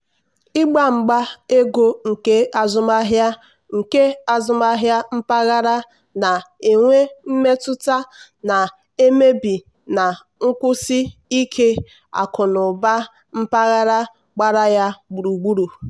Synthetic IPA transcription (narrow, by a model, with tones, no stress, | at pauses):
i˦ɡ͡ba˦ŋ͡m̩˨ɡ͡ba˦e˦ɡo˦ŋ̩˨ke˦a˨zʊ˦ma˦ɦja˦ | ŋ̩˨ke˦a˨zʊ˦ma˦ɦja˦m̩˦pa˦ɣa˦ɾa˦ | na˨e˨ŋʷe˦m̩˦me˦tʊ˦ta˦ | na˨ | e˦me˦bi˨ | na˨ | ŋ̩˦kʷʊ˦si˦i˦kʰe˦ | a̰˨kʊ˨nʊ˨ba˦ | m̩˦pa˦ɣa˦ɾa˦ | ɡ͡ba˦ɾa˦ja˦ɡ͡bu˨ɾu˨ɡ͡bu˦ɾu˨